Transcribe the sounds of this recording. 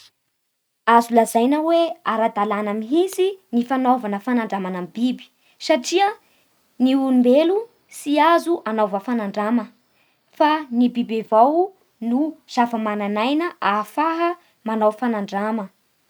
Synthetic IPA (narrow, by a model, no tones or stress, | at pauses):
azulazajnəweaɾad̪alanamiɦisinifanovanəfanaɳɖ͡ʐamanamibibi̥ | saʈ͡ʂiə | niulmbelu | siazuʔanovəfanaɳɖ͡ʐamə | fanibibevaw | nuz̥afəmananajnəʔafaɦə | manawfanaɳɖ͡ʐamə